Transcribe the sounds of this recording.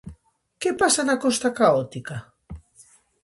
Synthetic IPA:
kepasanakost̪akaot̪ika

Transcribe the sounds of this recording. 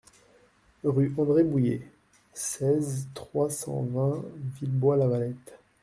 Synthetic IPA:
ʁyɑ̃d̪ʁebujḛ | sɛzt̪χwasɑ̰̃vɛ̃vilbwalavalɛt̪

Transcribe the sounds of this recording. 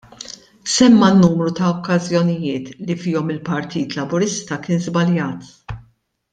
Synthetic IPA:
sɛmːɐnːuːmɾut̪ɐɔkːɐzjɔnɪjɪːt̪lifɪːɔmɪlpɐɾt̪iːt̪lɐbʊɾɪst̪ɐkɪːnzbɐljɐːt̪

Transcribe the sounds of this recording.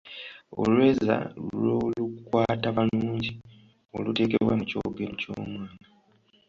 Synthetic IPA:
o̰lwe̞ːza̰loːlukwaːtaβaluːɲɟi | o̰lute̞ːke̞βwa̰muco̞̰ɡemuco̰ːmwaːŋɡa

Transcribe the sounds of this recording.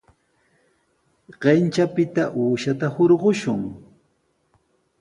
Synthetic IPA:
ɢ̥ent͡ʃapɪt̪aʔuːʃat̪ahoɾɢoʃʊŋ

